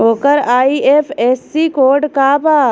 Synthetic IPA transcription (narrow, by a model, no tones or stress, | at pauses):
ɦoːkəɾaːiʔeːpeːsːikoːɾɖkaːbaː